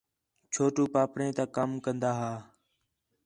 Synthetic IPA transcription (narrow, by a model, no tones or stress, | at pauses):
t͡ʃʰoːʈuːpaːpɽẽːt̪aːkəmkənd̪aːɦaː